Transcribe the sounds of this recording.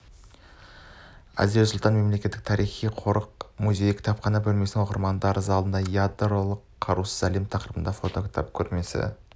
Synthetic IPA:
æ̰zeɾsʊlˠt̪ɑnme̞mle̞kʲe̞t̪ːɪk̚t̪ʰɑɾijχijqʰo̞ɾəqmuzʲe̞jkʲʰɪ̥t̪ʰɑpχɑnɑbɵlme̞snɪŋwoqəɾmɑnd̪ɑɾəzɑlˠənd̪ɑjad̪ɾolˠəqʰːɑɾusəzæle̞mt̪ʰɑqɾibənd̪ɑfo̞t̪o̞kʲʰɪ̥t̪ʰa̰p̚kʲʰɵɾme̞sɪ̰

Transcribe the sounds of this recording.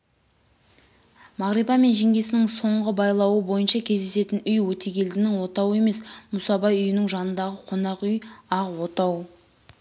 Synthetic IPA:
mɑʁɾibɑme̞nʒe̞ŋɡʲe̞sɪnɪŋso̞ɴʁəbɑjlˠɑwəbo̞jənʃɑkʲʰezd̪e̞se̞t̪ɪnʏjwɵt̪e̞ɡʲe̞ld̪ɪnɪŋwo̞t̪ɑwe̞me̞smusɑbɑjʏjɪnɪŋʒɑnənd̪ɑʁəqʰo̞nɑqʏjɑqwo̞t̪ɑw

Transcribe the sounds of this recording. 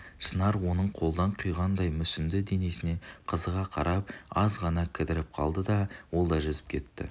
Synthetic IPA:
ʃənɑɾwo̞nəɴqʰo̞lˠd̪ɑɴqʰʊjʁɑnd̪ɑjmʏsɪnd̪ɪd̪e̞ne̞sɪne̞qʰəzəʁɑqʰɑɾʔɑp̚ɑzʁɑnɑkʲʰɪd̪ɪɾɪp̚qʰɑ̰lˠd̪əd̪ɑwo̞lˠd̪ɑʒʏzɪp̚kʲʰe̞t̪ːɪ̰

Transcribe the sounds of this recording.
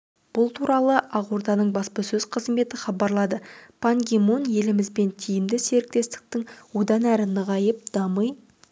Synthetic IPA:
b̥ʊlˠt̪ʰuɾʔɑlˠəʔɑʁuɾd̪ɑnəɴbɑspəsɵz̥qʰəzme̞t̪ɪχɑbɑɾlˠɑd̪əpʰaŋɡʲemonje̞lɪmɪzbe̞nt̪ʰijɪmd̪ɪse̞ɾɪk̚t̪e̞st̪ɪ̥k̚t̪ɪŋwo̞d̪ɑnæɾɪnəʁɑjəp̚d̪̥ɑməj

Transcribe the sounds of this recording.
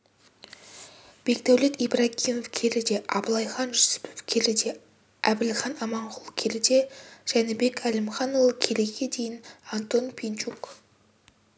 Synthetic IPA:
b̥e̞kd̪æwlet̪ibrɑɡʲimofkʲʰe̞ɾɪd̪e̞ʔɑblˠɑjχɑnʒʏsɪ̥pʰɪ̥fkʲʰeɾɪd̪e̞ | æbɪlχɑnɑmɑɴqʊlˠkʲʰelɪd̪e̞ʒ̥ænɪbe̞kʲʰælɪmχɑnolˠəkʲʰe̞leɡʲe̞d̪ejɪnɑnt̪o̞npʰent͡ʃuk

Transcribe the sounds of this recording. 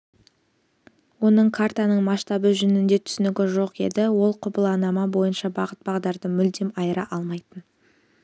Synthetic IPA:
wo̞nəɴkʰart̪ɑnəɴmɑʃt̪ɑbəʒʏnɪnd̪e̞t̪ʰʏ̥sɪnɪɡʲɪʒo̞qe̞̰d̪ɪwo̞lˠqʰʊbəlˠɑnɑmɑbo̞jənʃɑbɑʁət̪̚bɑʁd̪ɑɾd̪əmʏld̪e̞mɑjəɾɑʔɑlˠmɑjt̪ən

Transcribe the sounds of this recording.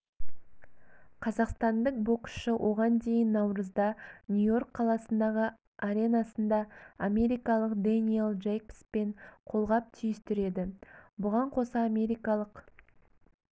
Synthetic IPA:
qʰɑzɑqst̪ɑnd̪əq̚bo̞ksʃɪwʔo̞ʁɑnd̪e̞jɪnːɑwɾəzd̪ɑnʲujo̞rkqʰːɑlˠɑsənd̪ɑʁə | aɾʲe̞nɑsənd̪ɑamʲe̞ɾijkɑlˠəqd̪anielˠʒejpspe̞ɴqʰo̞lˠʁɑp̚t̪ʰijɪst̪ɪɾe̞d̪ɪbʊʁɑɴqʰo̞sɑamʲe̞ɾijkɑlˠəq

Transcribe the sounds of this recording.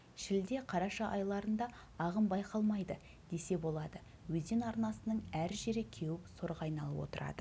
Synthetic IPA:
ʃɪld̪e̞qʰɑɾɑʃɑʔɑjlˠɑɾənd̪ɑ | ɑʁəmbɑjqɑlˠmɑjd̪ə | d̪̥e̞se̞bo̞lˠɑd̪ə | wɵzenɑɾnɑsənəɴæɾʒe̞ɾɪkʲʰe̞wɪpsoɾʁɑjnɑlˠəpwo̞̰t̪əɾɑ̰d̪ə

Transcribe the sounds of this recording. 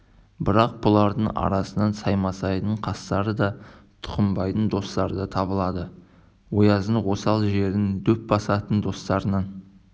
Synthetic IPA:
bɪɾɑq̚b̥ʊlˠɑɾd̪əɴɑ̰ɾɑsənɑnsɑjmɑsɑjd̪əɴqʰɑst̪ɑɾəd̪ɑt̪ʰʊ̥qəmbɑjt̪ənd̪o̞st̪ɑɾəd̪ɑt̪ʰɑβəlˠɑd̪ə | wo̞jɑzəɴwo̞sɑlˠʒe̞ɾɪnd̪ɵp̚bɑsɑt̪ənd̪o̞st̪ɑɾənɑn

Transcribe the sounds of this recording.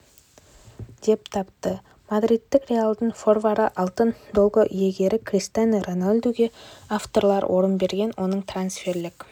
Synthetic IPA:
d̪̥e̞p̚t̪ʰɑpt̪ə | mad̪rit̪ːɪkrʲealˠd̪əɴfo̞rvaɾəʔɑlˠt̪ənd̪o̞lˠʁəʔje̞ɡʲe̞ɾɪkʰrʲist̪anronalʲd̪uɡʲe̞aft̪o̞rlˠɑɾwʔo̞ɾənbe̞ɾɡʲe̞nwʔo̞nəɴt̪ʰransfe̞rlɪk

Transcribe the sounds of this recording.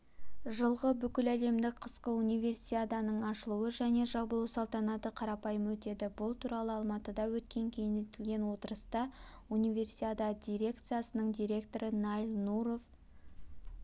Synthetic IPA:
ʒəlˠʁəbʏkʲɪlæle̞md̪ɪkqʰəsqəunijvʲe̞rsiad̪ɑnəɴɑʃəlˠuəʒæne̞ʒɑbəlˠəsɑlˠt̪ɑnɑt̪əqʰɑɾɑpɑjəmwɵt̪e̞d̪ɪbʊlˠt̪ʰuɾɑlˠəɑlˠmɑt̪əd̪ɑwɵt̪kʲe̞ŋkʲʰe̞jnet̪ɪlɡʲe̞nwo̞t̪əɾəst̪ɑunijve̞rsiad̪ɑd̪ʲijɾʲe̞kt̪sɨijasənəɴd̪ijɾʲe̞kt̪o̞ɾənɑjlˠnuɾo̞v

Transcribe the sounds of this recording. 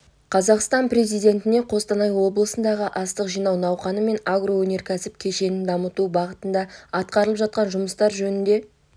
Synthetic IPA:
qʰɑzɑqst̪ɑnpɾe̞zijd̪ʲe̞nt̪ɪne̞qʰo̞st̪ɑnɑjwo̞blˠəsənd̪ɑʁəʔɑst̪əqʒijnɑwnɑwχɑnəme̞naɡro̞wɵne̞ɾkʲʰæsɪp̚kʲʰe̞ʃe̞nɪnd̪ɑmət̪ubɑʁət̪ənd̪ɑɑt̪̚qɑɾəlˠəpʒɑt̪̚qɑnʒʊməst̪ɑɾʒɵnɪnd̪e̞

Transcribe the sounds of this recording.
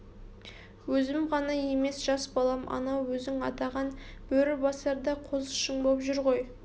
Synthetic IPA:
wɵzɪmʁɑnɑje̞me̞sʒ̥ɑsbɑlˠɑmʔɑ̰nɑwːɵzɪŋɑt̪ɑʁɑnb̥ɵɾɪbɑsˠɑɾd̪ɑqʰozʃəɴbopʒʏɾʁo̞j

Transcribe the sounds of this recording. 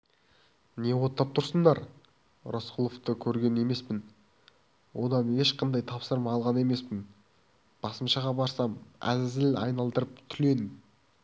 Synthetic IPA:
ne̞wo̞t̪ːɑp̚t̪ʰʊɾsənd̪ɑɾ | ro̞sqʰulˠo̞ft̪əkʲʰɵɾɡʲe̞ne̞me̞spɪn | wo̞d̪ɑne̞ʃqɑnd̪ɑjt̪ʰɑpsəɾmɑːlˠʁɑne̞me̞spɪn | b̥ɑsəmʃɑʁɑbɑɾsɑmæ̰zɪzɪlɑ̰jnɑlˠd̪əɾəpt̪ʰʏle̞nɪm

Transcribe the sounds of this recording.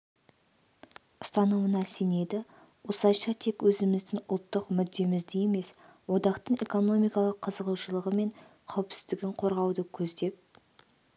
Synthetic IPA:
ʊst̪ɑnəmənɑsene̞d̪ɪ | wosˠɑjʃɑt̪ʰe̞kwɵzɪmɪzd̪ɪŋʊ̰lˠt̪ːəqmʏd̪ːe̞mɪzd̪ejeme̞swo̞d̪ɑqt̪əɴe̞ko̞no̞mijkɑlˠəqʰːəzəʁuwʃəlˠəʁəme̞ɴ | qʰɑwɪpsɪ̥zd̪ɪɡʲɪɴqʰo̞ɾʁɑwd̪əkʲʰɵzd̪e̞p̚

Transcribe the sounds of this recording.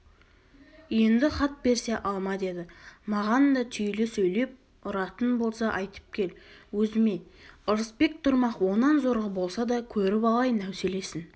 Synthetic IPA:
je̞nd̪ɪχɑt̪̚be̞ɾse̞ʔɑlˠmɑd̪e̞d̪ɪmɑʁɑnd̪ɑt̪ʰʏjlɪsɵjle̞p̚ | ʊɾɑt̪ənbo̞lˠsɑʔɑjt̪ə̥p̚kʲʰe̞lwɵzɪme̞ʊɾəspe̞k̚t̪ʰʊɾmɑqwo̞nɑnzo̞ɾʁəbo̞lˠsɑd̪ɑkʲʰɵɾɪpɑlˠɑjnæwse̞le̞sɪn

